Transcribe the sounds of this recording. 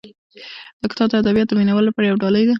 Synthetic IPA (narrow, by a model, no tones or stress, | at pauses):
d̪̥əkɪ̥t̪ɑd̪əad̪abijɑt̪̚d̪əminawəlapɑɾajawɖɑləjd̪a